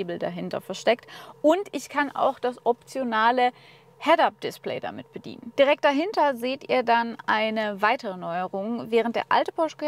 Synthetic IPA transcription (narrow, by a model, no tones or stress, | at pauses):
bl̩da̰ɦɪntɐ̰fɛɐʃtɛktʔʊntɪçkʰanʔa̰ʊxd̥asʔɔp̚t͡sjonaːlə | hɛdap̚d̥ɪsplɛ̰ɪda̰mɪt̚b̥ədḭːnənd̥iʁɛk̚t̚d̥aɦɪntɐzeːtʔḭːɐdanʔaɪnəvaɪtəʁənɔʏəʁʊŋvɛːʁ̞ənt̚d̥ḛːɐʔa̰ltə̥pʰɔʃkː